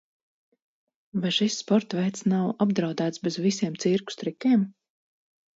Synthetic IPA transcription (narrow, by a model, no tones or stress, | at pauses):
vajʃisːpɔɾt̪vɛjt̪snawabd̪ɾawd̪æːt̪sbezvisiɛmt̪siɾku̥st̪ɾikʲiɛm